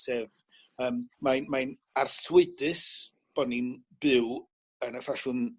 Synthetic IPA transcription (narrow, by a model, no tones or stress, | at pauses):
sɛv | əːmmanmajnarswɪdɨs | b̥ɔninb̥ɨw | ənəfaʃʊn